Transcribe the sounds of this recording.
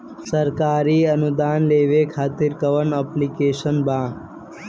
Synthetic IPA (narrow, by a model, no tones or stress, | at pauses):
səɾkaːɾiːɐnud̪aːnleːʋekʰaːt̪ɪɾkɐʋənəplikeːʃənbãː